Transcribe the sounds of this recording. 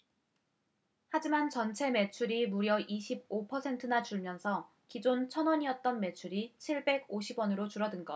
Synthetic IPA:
had͡ʑimant͡ɕʌnt͡ɕʰe̞me̞t͡ɕʰuɾimuɾjʌʔiɕʰib̚opʰʌsʰe̞ntʰɯnat͡ɕuɭmjʌnsʰʌ | kid͡ʑont͡ɕʰʌnwʌɲiʌt̚t͈ʌnme̞t͡ɕʰuɾit͡ɕʰiɭbe̞ɡoɕʰibwʌnɯɾot͡ɕuɾʌdɯnɡʌ

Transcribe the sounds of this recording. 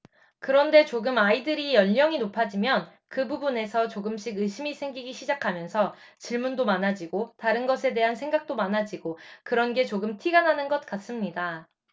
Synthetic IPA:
kɯɾʌnde̞t͡ɕoɡɯmaidɯɾijʌʎɲʌŋinopʰad͡ʑimjʌn | kɯbubune̞sʰʌt͡ɕoɡɯmɕ͈ʰiɡɯɕʰimisʰe̞ŋɡiɡiɕʰid͡ʑakʰamjʌnsʰʌ | t͡ɕiɭmundomanad͡ʑiɡotaɾɯnɡʌs̬ʰe̞de̞ɦansʰe̞ŋɡak̚t͈omanad͡ʑiɡokɯɾʌnɡe̞t͡ɕoɡɯmtʰiɡanɦanɯnɡʌt̚k͈as͈ɯmɲida

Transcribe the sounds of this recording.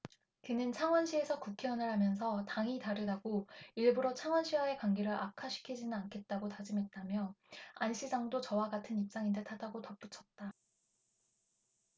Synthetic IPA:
kɯnɯnt͡ɕʰaŋwʌnɕʰie̞sʰʌkukʰeʌnɯɭɦamjʌns̬ʰʌtaŋitaɾɯdaɡoiɭbuɾot͡ɕʰaŋwʌnɕʰiwae̞kwaŋɡeɾɯɾʔakʰaɕʰi̥kʰid͡ʑinɯnankʰe̞t̚t͈aɡotad͡ʑimɦe̞t̚t͈amjʌanɕʰid͡ʑaŋdot͡ɕʌwaɡatʰɯnip̚t͡ɕ͈aŋindetʰadaɡotʌp͈ut͡ɕʰʌt̚t͈a

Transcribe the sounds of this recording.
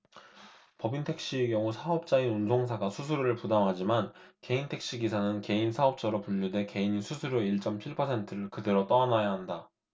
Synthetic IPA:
pʌbintʰe̞k̚ɕ͈iekjʌŋusʰaʌp̚t͡ɕ͈ainunsʰoŋs̬ʰaɡasʰusʰuɾɾɯɭpudamɦad͡ʑimanke̞intʰe̞k̚ɕ͈iɡisʰanɯnke̞insʰaʌp̚t͡ɕʰʌɾopuʎːude̞ke̞iɲisʰusʰuɾjoiɭt͡ɕ͈ʌmt͡ɕʰiɭpʰʌsʰe̞ntʰɯɾɯɭkɯde̞ɾot͈ʌanajaɦanda

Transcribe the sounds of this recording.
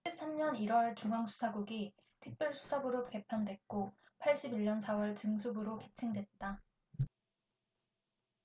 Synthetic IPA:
ɕip̚s͈amɲʌniɾwʌɭt͡ɕuŋaŋsʰu̥sʰaɡuɡi | tʰɯk̚p͈jʌɭsʰu̥sʰabɯɾoke̞pʰandwe̞k̚k͈opʰaɭɕ͈ibiɭɲʌnsʰawʌɭt͡ɕɯŋsʰubɯɾoke̞t͡ɕʰiŋdwe̞t̚t͈a

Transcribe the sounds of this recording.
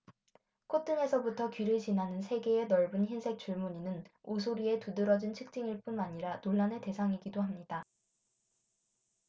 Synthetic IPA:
kʰot͈ɯŋe̞sʰʌbutʰʌkɥiɾɯt͡ɕinɦanɯnsʰe̞ɡe̞enʌɭbɯnçinsʰe̞k̚t͡ɕ͈uɭmuɲinɯnos̬ʰoɾie̞tudɯɾʌd͡ʑint͡ɕʰɯk̚t͡ɕ͈iŋiɭp͈unaɲiɾanoɭːanete̞sʰaŋiɡidoɦamɲida

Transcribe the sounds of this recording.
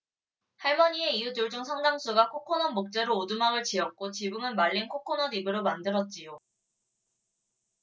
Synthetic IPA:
haɭmʌɲie̞ijutuɭd͡ʑuŋsʰʌŋdaŋs͈ʰuɡakʰokʰonʌmok̚t͡ɕ͈e̞ɾoːdumaŋɯɭt͡ɕiʌk̚k͈ot͡ɕibuŋɯnmaɭʎːinkʰokʰonʌdibɯɾomandɯɾʌt̚t͡ɕ͈ijo

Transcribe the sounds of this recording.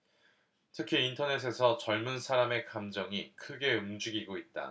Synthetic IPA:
tʰɯkʰiːntʰʌne̞s̬ʰe̞sʰʌt͡ɕʌɭmunsʰaɾame̞kamd͡ʑʌŋikʰɯɡe̞umd͡ʑiɡiɡoit̚t͈a̰

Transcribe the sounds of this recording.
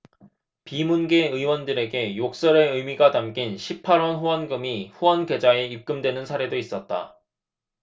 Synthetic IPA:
pimunɡe̞ɯjwʌndɯɾe̞ɡe̞jok̚s͈ʌɾe̞ɯmiɡanamɡinɕʰipʰaɾwʌnɸuwʌnɡɯmiɸuwʌnɡe̞d͡ʑae̞ip̚k͈ɯmdwe̞nɯnsʰaɾe̞dois͈ʌt̚t͈a̰

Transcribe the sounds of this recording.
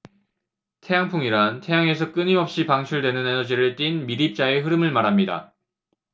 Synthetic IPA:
tʰe̞jaŋpʰuŋiɾantʰe̞jaŋe̞sʰʌk͈ɯɲimʌp̚ɕ͈ipaŋɕʰuɭdwe̞nɯne̞nʌd͡ʑiɾɯɭt͈inmiɾip̚t͡ɕ͈ae̞ɦɯɾɯmɯɭmaɾɦamɲida̰

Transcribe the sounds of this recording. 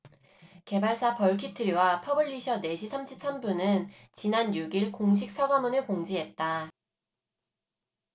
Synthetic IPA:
ke̞baɭsʰapʌɭkʰitʰɯɾiwapʰʌbɯʎːiɕʰʌne̞ɕʰisʰamɕʰip̚s͈ʰambunɯn | t͡ɕinanjuɡiɭkoŋɕ̬ʰik̚s͈aɡamunɯɭkoŋd͡ʑiɦe̞t̚t͈a

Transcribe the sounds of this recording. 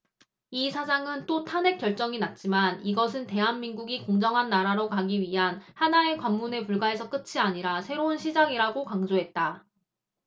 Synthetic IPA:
isʰad͡ʑaŋɯnt͈otʰane̞k͈jʌɭt͡ɕ͈ʌŋinat̚t͡ɕ͈imaniɡʌsʰɯnte̞ɦanminɡuɡikoŋd͡ʑʌŋɦanːaɾaɾokaɡiɥiɦanhanae̞kwamːune̞puɭɡae̞sʰʌk͈ɯt͡ɕʰiaɲiɾasʰe̞ɾounɕʰid͡ʑaɡiɾaɡokaŋd͡ʑoɦe̞t̚t͈a

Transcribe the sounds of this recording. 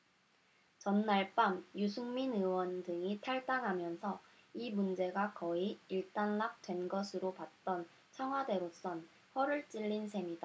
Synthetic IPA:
t͡ɕʌnːaɭp͈amjusʰuŋminɯwʌndɯŋitʰaɭt͈aŋɦamjʌnsʰʌimund͡ʑe̞ɡakʌiiɭt͈anlak̚t͈we̞nɡʌsʰɯɾopat̚t͈ʌn | t͡ɕʰaŋɦwade̞ɾos͈ʌn | ɸʌɾɯɭt͡ɕ͈iʎːinsʰe̞mida

